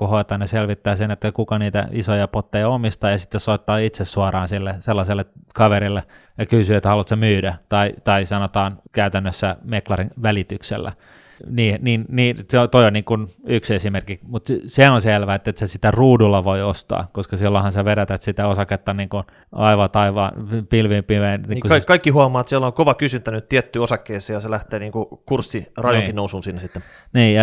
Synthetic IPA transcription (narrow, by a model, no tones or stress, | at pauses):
kuhoit̪ɑːnneselʋit̪ːæːsenet̪ːækukɑniːt̪æ̰isojɑpot̪ːejɑomist̪ɑːjɑsi̥t̪ːessoit̪ːɑːit̪sessuɑrɑːnsilːeselːɑselːekɑʋeɾilːe | jɑkysyet̪ːhɑlut̪semyːdæt̪ɑit̪ɑisɑnot̪ɑːnkæyt̪ænːøsːæmeklɑrinʋælit̪yksḛlːæ̰ | niːniːnniːnseot̪oijonniːŋkunyksesimerkimut̪seonselʋæet̪ːet̪sesit̪æruːdulːɑʋoiost̪ɑ̰ːkoskɑsilːohɑnseʋeɾæt̪æt̪sit̪æosɑket̪ːɑniːŋkun | ɑiʋɑt̪ɑiʋɑ̰ːnpilʋimpiʋeinniːkuɑikːɑikːihuɑmˑɑːt̪siæloŋkoʋɑkysynt̪ænyt̪t̪iɛt̪ːyːosɑkːeiseːjɑselæht̪eːniːŋkukursːirɑjoŋkinnousuːnsinːesit̪ːe | niːjɑ